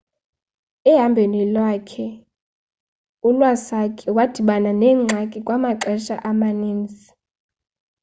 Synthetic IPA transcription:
ɛɦambʱenilwakʰɛ | ulwasakʰɛwad̥ʱiɓananɛːŋ͡ǀʱakʼikʼwamaǃɛʃaʔamaniːnd͡zʱi

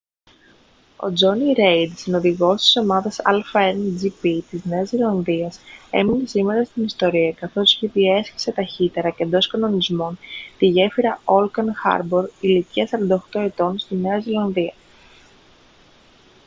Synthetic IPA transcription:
o̞̰d͡zo̞niɾe̞jd̪sino̞ðiɣo̞st̪i̥so̞mɐðɐsɐ̰lfɐeɾnd͡zipit̪izne̞ɐzilɐnðiɐse̞̰mine̞sime̞ɾɐst̪inist̪o̞ɾiɐkɐθo̞si̥çipie̞sçi̥se̞t̪ɐçit̪e̞ɾɐce̞nd̪o̞skɐno̞nizmo̞nt̪iʝe̞fiɾɐo̞lkɐnxɐ̰ɾbo̞ɾiliciɐsɐɾɐnd̪ɐoxt̪oe̞t̪o̞nst̪ine̞ɐzilɐnðiɐ

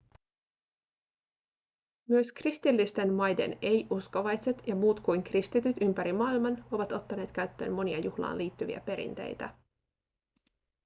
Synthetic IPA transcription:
myøskrist̪ilːist̪e̞nmɑjde̞̰ne̞jʔuskoʋɑjse̞t̪jɑmuːt̪kujŋkrist̪it̪yt̪ympæɾimɑːilmɑno̞ʋɑt̪o̞t̪ːɑne̞ːt̪kæɥt̪ːø̞̰ːmːo̞niɑjuhlɑ̰ːnliːt̪ːyʋḭæ̰pe̞ɾḭnt̪ḛjt̪æ̰

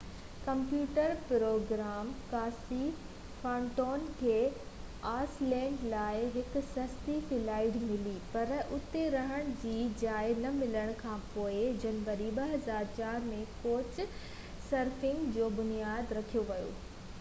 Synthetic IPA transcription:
kɐ̃mpjuːʈəɾpɾoːɡɾaːmkaːsi | fãːɳʈoːnkʰeː | aːslɛ̃ːɳɖlaːɪɦɪkʊ̆sɐst̪ifɪlaːɪɖmɪlipɐɾʔʊt̪eɾɐɦəɽ̃ʊd͡ʑiːd͡ʑaːɪnɐmɪləɽ̃kʰãːpoːɪd͡ʑɐnʋəɾiɓɐɦɐzaːɾt͡ɕaːɾmẽkoːt͡ɕ | sɐɾfɪ̃ŋɡd͡ʑoːbʊnijaːd̪ɾɐkʰijoʋɐjo̰ː

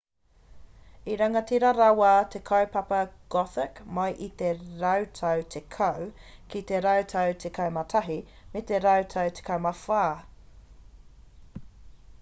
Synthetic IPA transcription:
iɾɐŋɐt̪ʰiɾaɾɐwaːt̪ʰekʰɐwpɐpɐɡ̥ɔθɪkmɐjʔit̪eɾɐwtʰɐwt̪ʰekʰɐw | kit̪eɾɐwtʰɐwtʰekʰɐwmɐtʰɐɦi | met̪eɾɐwtʰɐwt̪ʰe̥kʰɐwmɐfaː

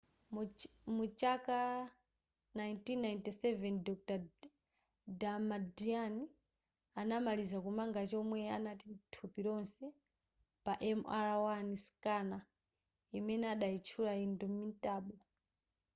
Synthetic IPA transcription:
mut͡ʃaka | najntinːajntisɛvɛndɔk̚ta | damadiani | anamalizakumaŋɡat͡ʃɔmwɛanatintʰupiɾɔnsɛ | paʔɛmaɾawaniskana | imɛnɛaɗait͡ʃʰulaindɔmintʼaːɓɔ

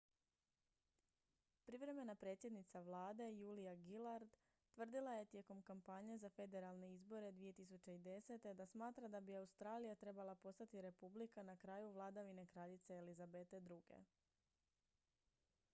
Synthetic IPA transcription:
pɾiʋɾe̞me̞napɾe̞ːt̪sje̞d̪nit̪saʋlˠaːd̪e̞juːlijaɡilˠaɾd̪ | t̪ʋr̩d̪ilˠaje̞t̪je̞ko̞mkampaɲezafe̞d̪e̞ɾalˠne̞izbo̞ɾe̞d̪ʋije̞t̪is̬ut͡ɕe̞id̪e̞se̞t̪e̞d̪asmaːt̪ɾad̪abiaust̪ɾaːlijat̪ɾe̞balˠapo̞st̪at̪iɾe̞publikanakɾaːjuʋlˠad̪aʋine̞kɾaʎit̪seːlizabe̞t̪e̞d̪ɾuɡe̞̰

